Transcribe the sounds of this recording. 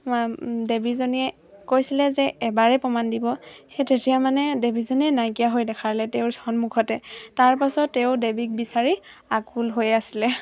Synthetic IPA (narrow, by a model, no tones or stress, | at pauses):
debizɔniɛ | kojsilɛzɛɛbaɹɛpɔmandibɔhetetijamanɛdebʱizɔniɛnajkijaɦojdɛkʰaɹlɛteʊsɔnmukʰɔtɛtaɹpasɔtːeʊdebik̚bisaɹiakulɦojasilɛ